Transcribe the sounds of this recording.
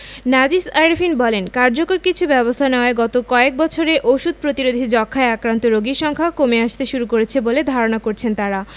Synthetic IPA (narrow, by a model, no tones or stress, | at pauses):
nad͡ʑisajɾfʰinbɔlenkaɾd͡ʑokoɾkit͡ɕʰubɛbost̪ʰaneoaeɡɔt̪okɔek̚bɔt͡ɕʰoɾeʔoʃud̪̚pɾot̪iɾod̪ʱid͡ʑɔkʰːaeakɾant̪oɾoɡiɾʃɔŋkʰakomeaʃt̪eʃuɾukoɾet͡ɕʰeboled̪ʱaɾonakoɾt͡ɕʰent̪aɾa